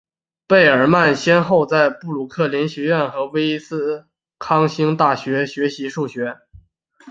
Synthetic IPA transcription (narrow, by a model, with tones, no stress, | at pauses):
pe˥˩ɪə˞˨˩ma˥˩nɕjɛ˥nxo˥˧ʊt͡sa˥˧ɪpu˥˩lu˨˩kʰɤ˥˩ljɛ˧˥nɕɥɛ˧˥ɥɛ˥˩nxɤ˧˥we˥ɪi˥sɹ̩˥ | kʰɑ˥ŋɕi˥ŋt̪a˥˩ɕɥɛ˧˥ɕɥɛ˧˥ɕi˧˥ʂu˥˩ɕɥɛ˧˥